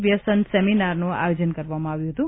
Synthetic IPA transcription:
ʋjəsənsɛminaɾnũa̰jod͡ʒənkəɾʋamãaʋjũɦət̪ũ

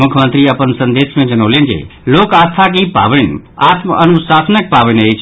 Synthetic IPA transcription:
mukʰəmənt̪ɾiəpənsənd̪esmẽd͡ʒənəwlend͡ʒḛloːkast̪ʰak̬ipa̰ʋənat̪məənusasənək̚paʋənəjt͡ʃʰ

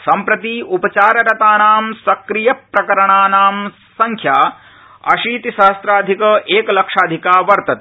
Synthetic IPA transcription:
sɐmpɾɐt̪iupɐt͡ʃaːɾɐɾɐt̪aːnaːmsɐkɾijɐpɾɐkɐɾɐɳaːnaːm | sɐŋkʰjaː | ɐ̰ʃiːt̪iʃɐɦɐst̪ɾaːd̪ʱikɐʔeːkɐlɐkʂaːd̪ʱikaːʋɐɾt̪ɐt̪̚

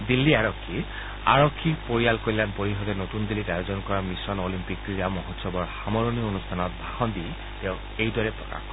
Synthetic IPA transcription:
d̪ilːiaɹɔkʰːi | a̰ɹɔkʰːipoɹijalkoɹilanpoɹiɦɔtɛnotund̪ilːitajozɔnkɔɹamisɔnolimpik̚tɹiɹamɔɦɔtsɔbɔɹxamɔɹoniɔonustʰanɔt̚bʱaxɔndi | tɛʊ̃ | ejdɔɹɛpɹɔ̰ka̰xkɔ

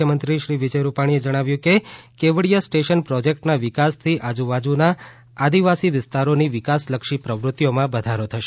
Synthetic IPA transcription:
jəmənt̪ɾiʃɾiʋɪd͡ʒəjɾupaɽ̃ied͡ʒəɽ̃aʋjũkekeʋəɽijasʈeʃənpɾɔd͡ʒek̚ʈnaʋɪkast̪ʰiʔad͡ʒuʋad͡ʒuna | ad̪iʋasiʋɪst̪aɾoniʋɪkasləkʃipɾəʋɾʊt̪ːjomãbəd̪ʱaɾot̪ʰəʃe

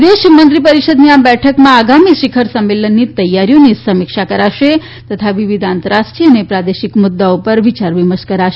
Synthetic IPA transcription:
d̪eʃmənt̪ɾipəɾiʃəd̪niabɛʈʰəkmãaɡamiʃɪkʰəɾsəmːelənːit̪əjːaɾijonisəmikʃakəɾaʃe | t̪ət̪ʰaʋiʋid̪ʱant̪əɾasʈɾiənepɾad̪eʃikmʊd̪ːaopəɾʋit͡ʃaɾʋiməʃkəɾaʃe

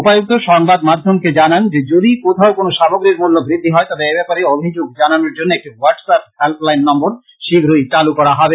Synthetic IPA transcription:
upajok̚t̪oʃɔŋbad̪mad̪ʱːomked͡ʑanand͡ʑed͡ʑod̪ikot̪ʰaokonoʃaboɡɾiɾmulːobɾid̪ʱːiɦɔet̪abeebɛpaɾeobʱid͡ʑoɡ̚d͡ʑananoɾd͡ʑonːoek̚ʈiwaɾɖsap̚helplajnːɔmboɾ | ʃibʱɾojt͡ɕalukɔɾaɦɔbe

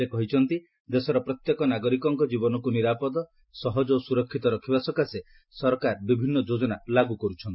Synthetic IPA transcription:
ekɔɦit͡ʃʰɔnt̪i | d̪esɔɾɔpɾɔt̪jekɔnaɡɔɾikɔŋkɔd͡ʒibɔnɔkuniɾapɔd̪ɔ | sɔɦɔd͡ʒosuɾɔkʰːit̪ɔɾɔkʰibasɔkase | sɔɾɔkaɾbibʱinːɔd͡ʒod͡ʒɔnalaɡukɔɾut͡ʃʰɔnt̪i

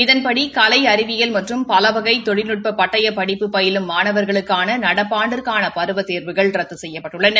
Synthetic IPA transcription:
ɪðɐnpɐɽikɐlɐɪɐɾɪʋɪjɐlmɐʈrɯmpɐlɐʋɐɣɐɪt̪ːɔɻɪnɯʈ̚pɐpɐʈːɐjɐpɐɽɪpːɯpːɐjɪlɯmːaːnɐʋɐɾɣɐɭɯkːaːnɐnɐɽɐpːaːɳɖɯrkaːnɐpɐɾɯʋɐt̪ːeːɾʋɯɣɐɭrɐt̪ːɯsɛjːɐpːɐʈːɯɭːɐn

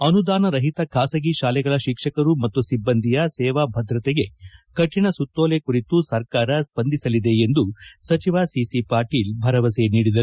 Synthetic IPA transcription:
ɐnud̪aːnɐɾɐɦit̪ɐkʰaːsɐɡiʃaːlɛɡɐɭɐʃikʂɐkɐɾumɐt̪ːusibːɐnd̪ʱijɐsɛːʋabʱɐd̪ɾɐt̪ɛɡe̞kɐʈʰːiɳɐsut̪ːoːlekuɾit̪usɐɾkaːɾɐspɐnd̪ʱisɐlid̪e̞end̪usɐt͡ʃiʋasisipaːɾʈiːlbʱɐɾɐʋɐseniːɽid̪ɐɾu

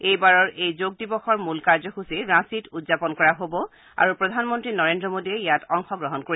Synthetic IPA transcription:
ejbaɹɔɹʔejzoɡ̚dibɔxɔɹmulkaɹzɔkusiɹãsitudzapɔnkɔɹaɦobɔ | a̰ɹupɹɔdʱanmɔntɹinɔɹendɹɔmodiɛjatɔŋxɔɡɹɔɦɔnkoɹi

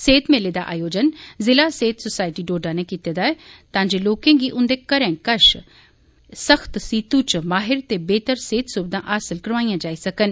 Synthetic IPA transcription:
seːt̪meːled̪aːʔa̰ːjoːd͡ʒənzɪlaːseːt̪sʊsaːɪʈiːɖoːɖãːnẽːkiːt̪ed̪aːɛːt̪ãːd͡ʒeːloːkẽːɡiːʔʊ̃nd̪eːkəɾɛ̃ːkəʃ | səxʰt̪siːt̪ũt͡ʃmaːɦɪɾt̪eːbeːt̪əɾseːt̪sʊbd̪ãːʔaːsəlkəɾʋaːijãːd͡ʒaːisəkən

